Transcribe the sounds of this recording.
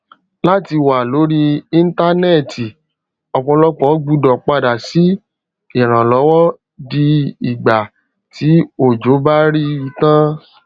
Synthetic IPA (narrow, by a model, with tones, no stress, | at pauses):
la˦ti˧wa˨lo˨˦ɾi˦ĩ˦n̩˦ta˦nɛ˦˨ti˨ | ɔ˧˨k͡pɔ̃˧lɔ˦k͡pɔ̃˦ɡ͡bu˧˦dɔ˨k͡pa˧da˨si˨˦ | i˨ɾ̃ã˨lɔ˨˦wɔ˦ | di˧i˨ɡ͡ba˨ | ti˨˦o˦˨d͡ʒo˨˦ba˦ɾi˦i˧tã˦